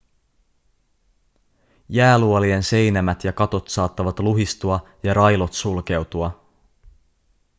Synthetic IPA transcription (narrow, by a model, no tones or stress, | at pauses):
jæːluolie̞nse̞jnæmæt̪jɑkɑt̪o̞t̪sɑːt̪ːɑʋɑt̪luɦist̪uɑ | jɑɾɑjlo̞t̪sulk̟e̞wt̪uɑ